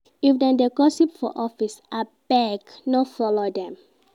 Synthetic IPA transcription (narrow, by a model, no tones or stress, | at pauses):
ifdɛ̃ndeɡɔsipfɔ̰ʔɔfisʔab̥ɛɡnɔfɔlodɛ̃m